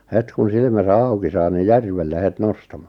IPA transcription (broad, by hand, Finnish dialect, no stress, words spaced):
het kun silmæsæ ɑuki sɑː ni jærʋelːe het nostɑmɑ̥